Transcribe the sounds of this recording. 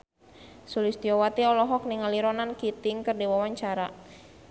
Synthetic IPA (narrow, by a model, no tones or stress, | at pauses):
sulist̪iɔwat̪iɔlɔɦɔk̚niŋaliɾɔnankit̪ɪŋkərdiwawaɲt͡ʃaɾa